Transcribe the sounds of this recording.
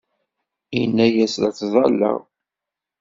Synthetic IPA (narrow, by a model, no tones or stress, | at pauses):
inːæjæsɾæt͡sːðˤɑlːæ̰ʁ